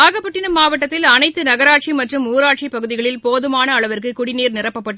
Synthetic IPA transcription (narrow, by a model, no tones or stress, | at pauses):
aːɣɐpːɐʈːɪnɯmːaːʋɐʈːɐt̪ːɪlɐnɐɪt̪ːɯnɐɣɐɾaːʈ̚t͡ʃimɐʈrɯmuːɾaːʈ̚t͡ʃipɐɣɯðɪɣɐɭɪlpoːðɯmaːnɐːɭɐʋɐɾkɯkʊɽɪniːɾnɪrɐpːɐpːɐʈːɯ